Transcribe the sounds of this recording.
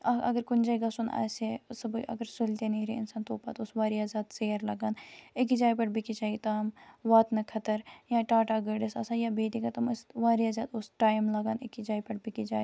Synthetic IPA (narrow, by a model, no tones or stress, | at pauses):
ɐɐ̰ɡəɾkʊnd͡ʒaːjɡɐsuna̰ːsesɐbəʔɐ̰ɡəɾsʊlt̪eniɾeɪnsaːnt̪oːpa̰ːt̪ʊsʋaːɾijaːzaːd̪seːɾlɐɡaːnek̬id͡ʒaːjpɐʈbikit͡ʃaːit̪aːmʋaːt̪nɐkʰɐt̪əɾjãːʈaːʈaːɡəɖɪsɐsaːjabeːt̪ikɐt̪ɐmɪsʋaːɾijazaːt̪ʊsʈaːjmlɐɡaːnekid͡ʒaːjpɐʈbʱikid͡ʒaːj